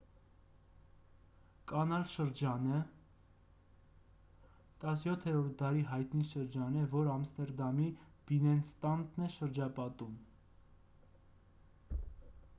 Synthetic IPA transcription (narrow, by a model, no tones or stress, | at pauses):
kɑnɑlʃəɾd͡ʒɑnə | t̪ɑs̬jɔt̪ʰɛɾɔɾt̪̚d̪ɑɾiɦɑjt̪niʃəɾd͡ʒɑnɛvɔɾɑmst̪ɛɾd̪ɑmib̥inɛnst̪ɑnd̪nɛʃəɾd͡ʒɑpɑt̪um